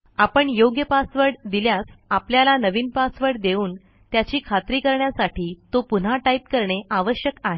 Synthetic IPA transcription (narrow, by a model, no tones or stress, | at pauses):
apəɳjoɡjəpasʋəɽd̪iljasapljalanəʋiːnpasʋəɽd̪euːn | t̪jat͡ɕiːkʰat̪ɾiːkəɾɳjasaʈiːt̪opun̤aʈaip̚kəɾɳeʔaʋəɕjəkaɦe